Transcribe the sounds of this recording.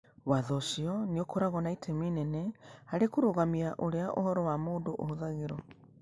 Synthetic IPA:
waðɔʃiɔniokoɾaɣɔnaitʰeminɛnɛhaɾekuɾoɣamiaʔoɾeaʔo̰hɔɾɔwamoːndoʔo̰hoðaɣeɾɔ

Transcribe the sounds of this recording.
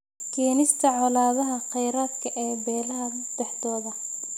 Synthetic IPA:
kʰɛːnɪst̪ʰɐʕɔlaːβɐɦɐqɛjɾaːd̪kʰɐʔɛːbɛːlɐɦɐ | d̪̥ɛħd̪ɔːðɐ

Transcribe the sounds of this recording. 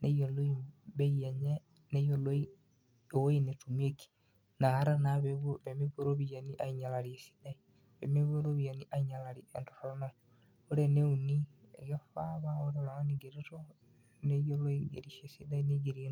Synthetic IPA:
nejoloiβejaɲe | nejoloi | owoinetumieki̥ | nahaɾanaβeβoβemeβoɾoβijaniʔaiɲalaɾiesi̥dai | βemeβoɾoβijaniʔaiɲalaɾiento̥tona | oɾeneuniḛjofaβaoɾenaaniɡeɾeto | nejoloiɡḛɾiʃesidaineɡiɾie

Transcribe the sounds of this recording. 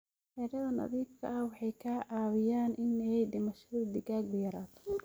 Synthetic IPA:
hɛːɾɐðɐnɐ̰ðiːb̚kʰɐ̰ʔɐhwɑħɑjkʰaːʔaːwɪjaːnʔɪnɛɛjd̪ɪmɐʃɐðʊd̪ɪɣaːɡbʊjɐɾaːt̪ʰɔ̥

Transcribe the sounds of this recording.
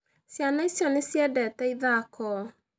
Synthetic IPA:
sjanaisjɔnesjɛdɛtɛiðakɔ

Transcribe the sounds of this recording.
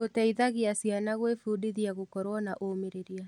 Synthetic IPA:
otaiðaɣeasianaɣwefuːdiðjaɣokɔɾwɔnaʔomeɾeɾia

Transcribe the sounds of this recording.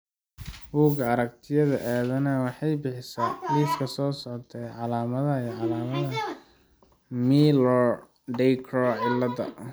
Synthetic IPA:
buːɡɐɐɾɐk̚t̪ʰɪjɐðɐʔaːðɐnɐwɑħɑjbɪħɪsɐːliːfkʰɐsɔːsɔʕt̪ʰɛʕɑlaːmɐðɐiʕɑlaːmɐðɐ | milɔ | ɖɛjkʰɾɔʕɪlːɐdɐ̰

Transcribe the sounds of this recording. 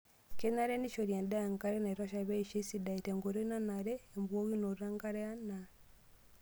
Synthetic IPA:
kenaɾeniʃoɾendaaŋkaɾenaɾoʃaβeiʃisidaiteŋɡoɾinanaɾeːmbwoɣinoɾaŋɡaɾeana

